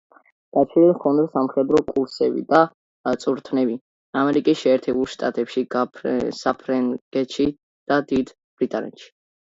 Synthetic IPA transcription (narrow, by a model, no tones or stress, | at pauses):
ɡ̥at͡ʃʰɾililɔnd̪ɾɛsamχɛd̪ɾɔkʼuɾsɛbḭd̪a | t̪sʼuɾt̪ʰnɛbi | amɛɾikʼisʃɛːɾt̪ʰɛbulˠʃt̪ʼa̰t̪ʼɛpʃiɡsapʰɾɛŋɡ̥ɛt̪ʃi | d̪̥ad̪id̪ | b̥ɾit̪ʼa̰nɛ̰t̪ʃi̥